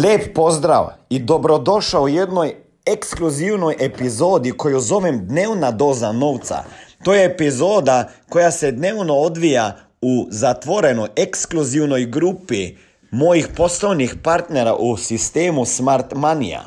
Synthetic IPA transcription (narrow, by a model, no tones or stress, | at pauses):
lʲjeːpːozd̪ɾa̰wid̪obɾod̪oʃaɔjɛd̪nɔj | ekskluziːwnɔjʔepizoːd̪ikojuzoːʋɛmd̪neːwnad̪oːzanoːwt̪sa̰t̪oːjɛːpizoːd̪akojasɛd̪neːwnɔod̪ʋija | uzat̪ʋoɾɛnɔjekskluziwnɔjɡɾuːpi | moːjixposlɔjnixpaɾt̪nɛɾa̰ʔusist̪eːmusmaɾt̪manḭa̰